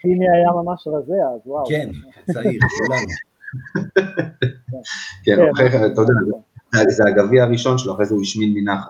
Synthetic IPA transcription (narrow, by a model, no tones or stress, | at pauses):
χiniajamamaʃʁazeazwawken | saiʁola | kenaχet̪ajod̪azzazeaɡaviaaʁiʃo̞nʃeloaχʁezɛuiʃminminaχ